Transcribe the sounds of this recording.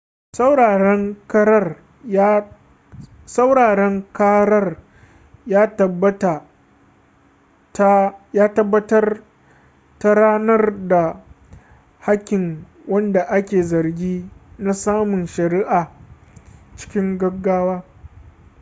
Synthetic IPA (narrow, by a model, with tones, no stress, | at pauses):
sa˨ɾɛ˦ŋkɐ˦ɾɐ˦r | sa˦wɽaː˨ɽɛ˦ŋkaː˦ɽɐ˦r | jaː˦tɐ˨bɐ˦ta˨˦ | jaː˦tɐ˦bːɐ˦tɐ˦r | ta˦ɽaː˦nɐ˦rda˨ | ha˦kʲːɪ˨ŋ | wɐ˦nda˨ʔa˦kʲeː˨zɐ˨rɡʲiː˦na˦saː˦mʊ˨nʃɐ˨ɾiː˦ʔaː˨ | t͡ʃɪ̥˦kʲɪ˦ŋɡɐ˦ɡːaː˦waː˦